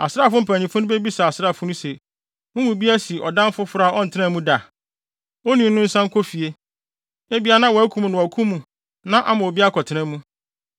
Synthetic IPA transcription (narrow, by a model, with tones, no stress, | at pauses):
a˨sɾaː˦˨fʊ̃˦m̩˨pʰæ˨ɲĩ˨fʊ˦nʊ̃˦be˦bi˦sa˨a˨sɾa˦˨fʊ˦nʊ̃˦se˨ | mʊ̃˦wʊ̃˨bi˦æ˦si˨ʔɔ˨dã˦m˦fʊ˦fʊ˨˦ɾa˨ʔɔ˦n̩˨tʰɪ˦nã˦˨mũ˦da˨ | o˦nĩ˨˦nʊ̃˦n̩˦sã˦ŋ̩˦kʰɔ˦fi˨e˦ | e˦bi˦a˨˦nã˦wɔ˨æ˦kʰu˦m̃˨nʊ̃˨kʰũ˦mũ˨ | nã˦ʔa˦mã˨o˨bi˦a˦kʰɔ˨tʰɪ˦nã˦mũ˦